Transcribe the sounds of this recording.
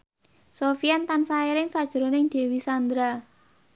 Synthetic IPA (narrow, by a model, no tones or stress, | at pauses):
sofiant̪ansaiɾɪŋsad̥ʒ̥ɾonɪŋd̪̥e̤wisand̪ɾa